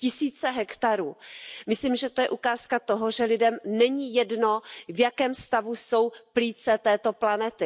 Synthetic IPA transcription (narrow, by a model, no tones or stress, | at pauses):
cɪsiːt͡sɛɦɛkt̪aɾuːmɪslimʒɛt̪o̞jɛʔukaːskat̪oɦoʒɛlɪdɛmnɛɲijɛdno̞vjakɛːmst̪avuso̞wpliːt͡sɛt̪ɛːt̪o̞planɛt̪ɪ